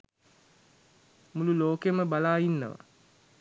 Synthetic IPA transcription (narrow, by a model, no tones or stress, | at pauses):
mululoːkeməbalaːjinːə̰ʋa̰